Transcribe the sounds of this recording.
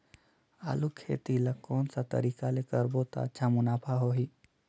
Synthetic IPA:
a̰ːlukʰḛːt̪ilakːɔːnsat̪ə̰ɾiːkalekəɾbot̪a̰ətːʃʰamʊnaːpʰaɦoːɦiː

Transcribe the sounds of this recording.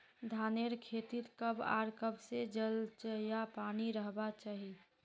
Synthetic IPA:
d̪ʱaːneɾkʰeːt̪iɾkəba̰ːɾkəbsed͡ʒəlt͡ʃəjapaːniɾəɦbat͡ʃaːɦi

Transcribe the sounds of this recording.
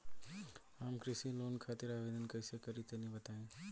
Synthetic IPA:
ɦəmkɾɪsiloːnkʰaːt̪ɪɾaːʋeːd̪ənkɐɪsekɐɾit̪enĩbɐt̪aːẽː

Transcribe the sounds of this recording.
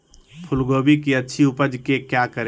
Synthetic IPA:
pʰʊlɡoːbikiətːʃʰiʊpəd͡ʒkekjakəɾe

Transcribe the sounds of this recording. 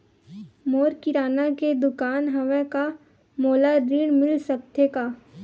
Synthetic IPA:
moːɾkɪɾaːnaked̪ʊkaːnɦɐʋɛka | moːlaɾiːɽmɪlsəkt̪ʰeka

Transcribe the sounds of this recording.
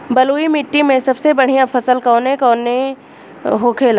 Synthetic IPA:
bɐluːimɪʈːimẽsɐbsebɐɽ̤ijãfʰɐsəlkɔːnẽkɔːnẽ | ɦokʰeːl

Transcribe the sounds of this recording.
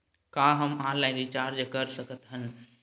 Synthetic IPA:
kãɦəmɦãlãɡit͡ʃaːɾd͡ʒəkəɾsəkət̪ɦən

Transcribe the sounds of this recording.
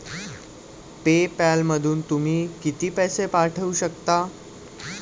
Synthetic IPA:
pepalməd̪ʱuːnt̪um̤iːkit̪iːpɛsepaɾʈʰəuɕəkt̪a

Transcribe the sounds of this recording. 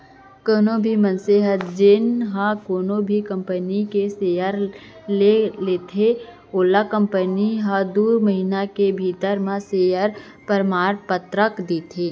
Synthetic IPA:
koːnobʱimənseɦət̪d͡ʒɪnɦãkoːnobʱikə̃mpənikeseːjəɾ | leleːt̪ʰe | oːlakə̃mpəniɦəd̪uːɾməɦinakebʱiːt̪əɾmãseːjəɾ | pəɾmaːɾpət̪ɾəkd̪iːt̪ʰeː

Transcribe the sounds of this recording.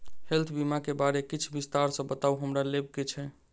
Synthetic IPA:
helt̪ʰbimakebaɾekit͡ʃʰbist̪aɾsə̃bət̪auɦəmɾalebɡet͡ʃʰɛ

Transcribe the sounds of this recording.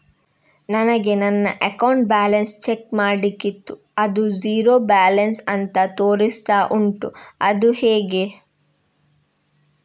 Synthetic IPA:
nɐnɐɡe̞nɐnːɐʔɐkɐwɳʈ̚baːlɐnst͡ʃekmaːɽikːit̪ːu | ɐd̪uziːɾoːbaːlɐnsɐnt̪ɐt̪o̞ːɾist̪aːʔuɳʈuɐd̪uheːɡe

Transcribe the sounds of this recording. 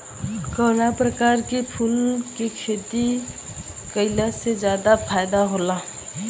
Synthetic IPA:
kɔːnapɾəkaːɾkepʰulkekʰeːt̪i | kəɪlased͡ʒjaːd̪apʰaːɪd̪aɦoːla

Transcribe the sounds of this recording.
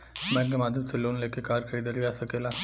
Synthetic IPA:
mɛ̃ɡemaːd̪ʱjəmseloːnleːkekaːɾkəid̪əɾid͡ʒaːsɐkeːlaː

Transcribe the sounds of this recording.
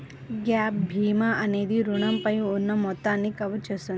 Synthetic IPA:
ɡaːp̚bʱiːmaʔɐneːd̪iɾuɳɐmpɐjuonːɐmɔt̪ːaːnːikɐʋɐt͡ʃɐsun

